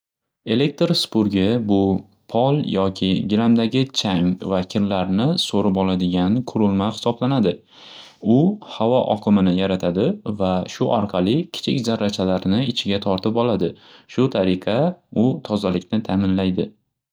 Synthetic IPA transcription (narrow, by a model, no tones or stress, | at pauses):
e̞le̞k̚t̪ɾspʊɾɡʲɪbʊ | pʰɒlˠjɒkʲʰɪɡʲɪɾamd̪aɡʲɪt͡ʃʰaŋvakʲʰɪɾlaɾnɪsoɾɪpɒlˠad̪ɪɡʲanqʰʊɾɪlˠmahɪ̥sɒblanad̪ɪ | ʊhavɒʔɒ̰qʰɨmɪnɪjaɾat̪ʰad̪ɪvaʃʊʔɒɾqʰɑlˠɪkʲʰɪ̥t͡ʃʰɪkʲzaɾːat͡ʃʰalaɾnɪɪt͡ʃʰɪɡʲat̪ʰɒɾt̪ʰɪpɒlad̪ɪ | ʃʊt̪ʰaɾɪqʰɑʊt̪ʰɒzalɪkʲnɪt̪ʰaːmɪnlajd̪ɪ